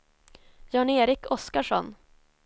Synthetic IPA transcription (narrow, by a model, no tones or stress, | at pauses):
jɑːɳeːɾɪkʰɔskaʂɔ̰n